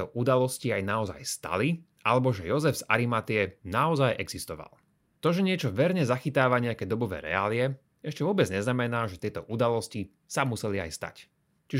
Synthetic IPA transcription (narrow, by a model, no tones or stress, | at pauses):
ɔʔud̪alɔsciajnaɔza̰jst̪a̰li | ʔa̰lɛbɔʒɛjɔzɛvz̥a̰ɾimat̪iɛnaɔzajʔɛɡz̥ist̪ɔʋa̰lˠ | t̪ɔʒɛɲɪɛt͡ʃɔʋɛɾɲɛzaxit̪aːʋaɲɛakɛːd̪ɔbɔʋɛ̰ːɾɛ̰a̰ːliɛ | ɛʃcɛʋʊɔbɛd͡zɲɛznamɛnaːʒɛt̪ɪɛt̪ɔʔud̪alɔsci | samusɛlia̰jst̪a̰c | t͡ʃiʒ